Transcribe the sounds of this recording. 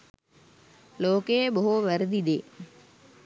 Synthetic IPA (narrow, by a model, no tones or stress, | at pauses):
loːkeːboɦuʋɐɾd̪id̪ḛː